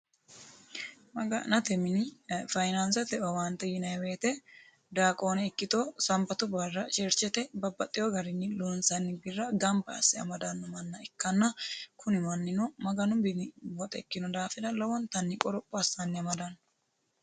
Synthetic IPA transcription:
mɐɡɐnɐt̪ɛmɪnɪfɐjnɐnsɐt̪ɛɔwɐnt̪ːɛjɪnɐjweːt̪ɛ | d̪aːkʼoːnɛɪkːɪt̪oːsɐmbɐt̪ʊbɐrːɐʃɛɾt͡ʃːɛt̪ɛbɐbːɐt̪ʼːɪjɔɡɐɾɪnːɪluːnsɐnːɪbɪrːɐɡɐmbɐɐ̰sːɪɐ̰mɐd̪ɐnːɔmɐnːɐɪkːɐnːɐkʰʊnɪmɐnːɪnɔmɐɡɐnʊmbɪnɪwɔt̪ʼɛkːɪnɔd̪aːfɛd̪ɐlɐwɔnt̪ɐnːɪkʼɔɾɔpʼːɔɐsɐnːɪɐmɐd̪ɐnː

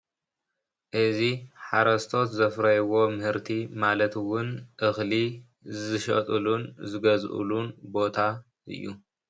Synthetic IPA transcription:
ʔɨziħaɾɐst̪ʰo̞t̪zɐfɾɐjwo̞mɨhɨɾt̪ʰimalɐt̪wʊnʔɨxli | zɨʃɐ̰t̪ʼɨlunzɨɡɐzʔṵlunbo̞t̪ʰa | ʔɨ̰jːṵ

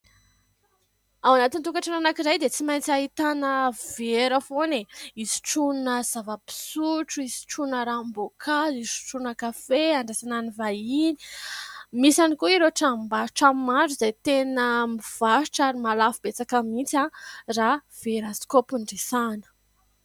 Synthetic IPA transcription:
awanat̪int̪uŋkaʈ͡ʂananakiɾajd̪et͡simajnt͡saɦit̪anəveɾəfoneizi̥ʈ͡ʂunnəz̥avəpi̥suʈ͡ʂuizi̥ʈ͡ʂunəɾambokʰazizu̥ʈ͡ʂunəkafeaɳɖ͡ʐasananivajini̥ | misanikuiɾeʈ͡ʂammbaʈ͡ʂammaɖ͡ʐuzajt̪enəmiv̥aʃʈ͡ʂaɾimalafibet͡sakəmint͡sãrav̥eɾaskopuɳɖ͡ʐesanə̥

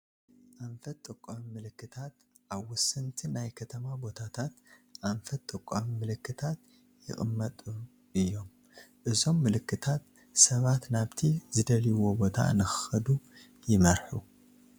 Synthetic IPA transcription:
ʔaɱfɐt̪ʼɨkʼːomimɨlɨkːɨt̪ʰat̪ | ʔaβwʊsɨnt̪ʰinajkʰɐt̪ʰɐmabo̞t̪ʰat̪ʰat̪ʔaɱfɐt̪ʼːɨkʼːomimɨlɨkːɨt̪ʰat̪ | jɪ̰xʼɨ̰mːɐt̪ʼu | ʔɨjːo̞m | ʔɨzo̞mːɨlɨkːɨt̪ʰat̪ | sɐβat̪naβt̪ʰizɨd̪ɐliwo̞bo̞t̪ʰa̰nɨxɨ̥xɐd̪u | jɪmɐɾħu

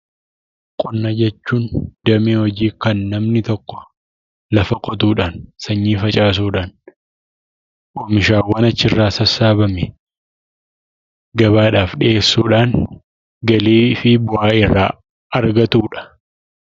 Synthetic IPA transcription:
kʼɔnːɐd͡ʒɛt͡ʃːuːnd̪̥ɐmehɔd͡ʒiːkɐnːɐmnɪt̪ɔkːɔ̥ | lɐfɐkʼɔt̪̬uːᶑaːnsɐɲːiːfɐt͡ʃʼaːs̬uːᶑaːn | ʔoːmɪʃaːwːaːnɐt͡ʃːɪrːaːsɐsaːbɐmɛ | ɡɐβaːᶑaːfɗɪʔeːsːuːᶑaːn | ɡɐleːfɪbʊaːɪrːa̰ː | ɐɾɡɐt̪uːᶑɐ̥

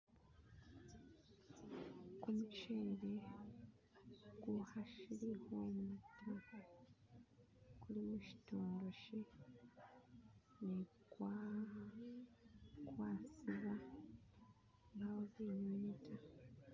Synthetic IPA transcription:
kumut͡ʃeːɾe̞ | ɡ̥uhaʃilihomuutʰa | kulimuci̥toːndo̞ʃe | ne | kwa | kwaːsiβa | ŋɡawozeɲonetʰa

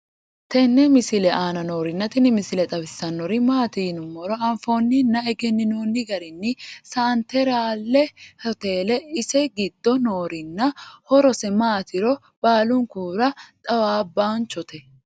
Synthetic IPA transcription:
t̪ɛnːɛmɪsɪlɛʔaːnɐnoːɾɪnːɐt̪ɪnɪmɪsɪlɛt̪ʼɐbɪsːɐnːɔɾɪmaːt̪iːnʊmːɔɾɔɐɱfoːnːɪnːɐɛɡɛnːɪnoːnːɪɡɐɾɪnːɪsɐːnt̪ɛɾaːlːɛhɔt̪eːlɛɪsɛɡɪd̪ːɔnoːɾɪnːɐhɔɾɔsɛmaːt̪ɪɾɔ | b̥aːlʊŋkuːɾɐt̪ʼɐwaːbːaːnt͡ʃɔt̪ɛ

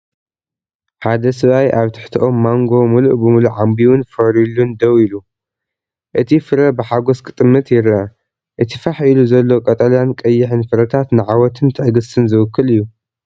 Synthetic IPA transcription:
ħad̪ɐsɨβajʔaβt̪ʰɨ̥ħt̪ʰɐʔo̞mːaŋɡo̞muluʔbɨmuluʕambiwʊnfɐɾilund̪ɐwilu | ʔɨt̪ʰifɨɾɐbɨħaɡoskʼɨt̪ʼɨmːɨt̪jɪɾɐ | ʔɨt̪ʰifaħiluzɐlːo̞kʼɐt̪ʼɐlankʼɐjːɪħɨnfɨɾɐt̪ʰat̪nɨʕawɔt̪ʰɨnt̪ʰɨħɡɨsɨnzɨwɨkːɨlɨjːu

